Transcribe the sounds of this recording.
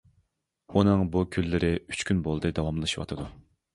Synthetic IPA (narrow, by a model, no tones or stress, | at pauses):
unɨŋbukʲʰylːɪɾɪyt͡ʃkʲʰynbolˠd̪ɨd̪ɑwɑmlˠɨʃiwɑ̰t̪ʰɨd̪u